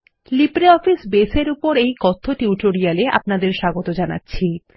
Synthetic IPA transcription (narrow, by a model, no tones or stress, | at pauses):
lipɾeɔfisbeseɾupoɾejkɔt̪ʰːoʈiuʈoɾialeʔa̰pnad̪eɾʃaɡot̪od͡ʑana̰tːɕʰi